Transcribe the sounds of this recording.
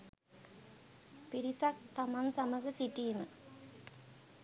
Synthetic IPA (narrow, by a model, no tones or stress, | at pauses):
piɾisak̚t̪ɐmansɐmɐɣɯsiʈːimɨ